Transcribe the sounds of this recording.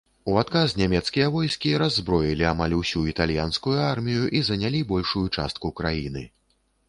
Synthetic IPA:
uat̪kaznʲamʲɛt̪skʲijɐvɔjskʲiɾazːbɾɔjilʲiamalʲusʲuit̪alʲjanskujuarmʲijuʔizɐnʲalʲibɔlʲʂujut͡ʂa̰st̪̚kukɾajinɨ

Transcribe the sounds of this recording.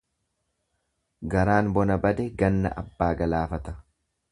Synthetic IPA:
ɡɐɾaːnbɔnɐbɐd̪ɛɡɐnːɐ̰ʔɐ̰bːaːɡɐlaːfɐt̪ɐ̥

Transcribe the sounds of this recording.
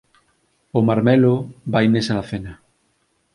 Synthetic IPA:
omaɾmɛlobajnesanaθena

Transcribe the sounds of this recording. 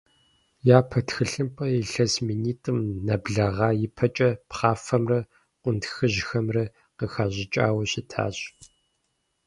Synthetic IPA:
jaːpʰɐtxɨɬɨmpʼɐjɪɬɐsminiːtʼɨmnɐbɮɐʁɑːjɪpʰɐt͡ʃʼɐpχɑːfɐmrɐ | ʔʷʊntxɨʑxɐmrɐ | qəxaːʑɪt͡ʃʼa̰ːwɐɕɪtʰa̰ːɕʼ

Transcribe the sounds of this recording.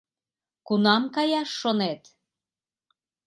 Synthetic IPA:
kunɑmkɑjɑʃːonet̪

